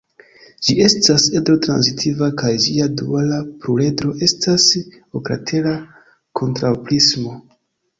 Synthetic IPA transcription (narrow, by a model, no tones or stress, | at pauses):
d͡ʒie̞stasedɾo̞tɾa̰nzitʰivakajd͡ʒiadualapɾule̞dɾo̞ʔe̞stʰas | okɾa̰tʰe̞la | kʰo̞ntɾawplismo̞